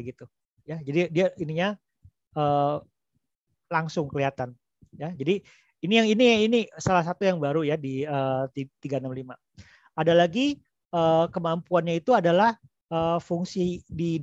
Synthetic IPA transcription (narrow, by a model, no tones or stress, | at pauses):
ɡit̪u | jad͡ʒadidiaʔiniɲa | ʔəː | laŋsʊŋkəliat̪an | jad͡ʒadi | inijaŋinijainisalahs̬at̪ujaŋbaɾujadiəːt̪it̪iɡanamlima | adalaɡi | ʔəːkəmampuanɲait̪uadalah | əfuŋsidi